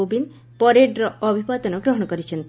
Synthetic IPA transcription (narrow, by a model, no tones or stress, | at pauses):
obin | pɔɾeɖɾɔːbʱibad̪ɔnɔɡɾɔɦɔɽɔkɔɾit͡ʃʰɔnt̪